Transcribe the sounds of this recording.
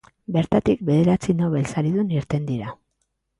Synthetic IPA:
be̞ɾt̪at̪ik̚be̞ðe̞ɾat͡sino̞β̞e̞lsaɾiðuniɾt̪e̞nd̪iɾa

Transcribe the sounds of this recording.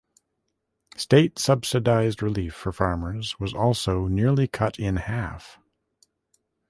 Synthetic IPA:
steɪtsʌb̥sɨdaɪzd̚ɹɨlifə˞fɑɹmə˞zwʌzɔlˠsoʊnɪɹlˠikʰʌɾɪ̃nhæf

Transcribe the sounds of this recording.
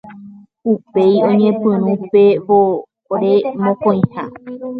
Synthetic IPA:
upe̞jõɲẽpɨ̃ɾ̃ũpeʋo | ɾemõkõĩha

